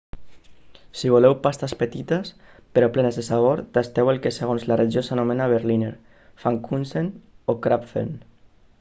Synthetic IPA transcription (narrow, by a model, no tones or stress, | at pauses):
siβ̞ulɛwpast̪aspət̪it̪əs | peɾɔplɛnəzðesaβ̞oɾd̪̥ast̪ɛwelˠkeseɣonzlareʒiosanumenaβ̞eɾlineɾ | faŋkunsenokɾapfḛn